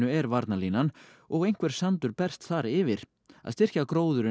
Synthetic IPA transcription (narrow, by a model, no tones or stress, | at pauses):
ʏɛɾvaɾt̪nalinan | ɔɣejŋ̥kvɛɾ̥sant̪ʏɾpɛr̥st̪θaɾɪvɪɾ̥ | a̰ðst̪ɪr̥cakɾoːwðʏɾɪ